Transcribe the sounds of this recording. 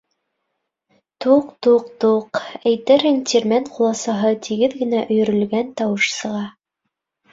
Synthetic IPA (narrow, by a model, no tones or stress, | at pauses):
t̪uqt̪uq̚t̪uqæjt̪æɾɦɘŋt̪ʲiɾmænqulˠɑsɑɦɤt̪ʰiɡɘðɡɘ̆næʔɵ̆jɵ̆ɾɵ̆lɡænt̪ɑwɤ̆ʃsɤ̆ʁɑ